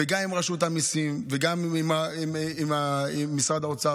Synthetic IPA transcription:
eɡamimʁaʃut̪amisimveɡamimaiimaiːisʁad̪aot͡sa

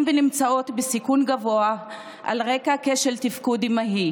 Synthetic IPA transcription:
mvenimt͡sao̞t̪besikunɡavo̞a | ʔa̰lʁekakeʃeltifkudimaɦi

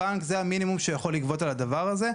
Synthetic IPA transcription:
aŋkzeaminimumʃejaχo̞lːikvo̞t̪alad̪avaʁaze̞

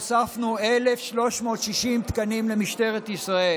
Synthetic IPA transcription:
safnuele̞fʃlo̞ʃmo̞ːt̪ʃiʃimt̪kanimlemiʃt̪e̞ʁet̪isʁae

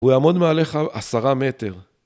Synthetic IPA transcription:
ujaːmo̞d̪meale̞χaʔasaʁame̞t̪e̞ʁ

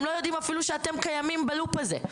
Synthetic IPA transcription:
mlo̞jod̪imafiluʃeat̪e̞mkajamimbalupazḛ

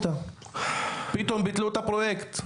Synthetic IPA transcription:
t̪a | pit̪ombit̪lut̪apɾojekt̪

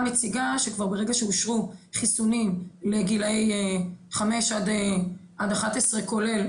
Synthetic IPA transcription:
met͡siɡaʃekvaʁbeʁe̞ɡaʃeuʃʁuχisunimleɡilejχame̞ʃad̪eʔad̪aχat̪esʁeko̞le̞l

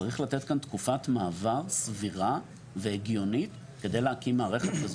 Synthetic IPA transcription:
aʁiχlat̪etkant̪kufatmaːvaʁsviʁa | veːɡjo̞nit | ke̞d̪e̞jleakimːaːʁe̞χetkaz

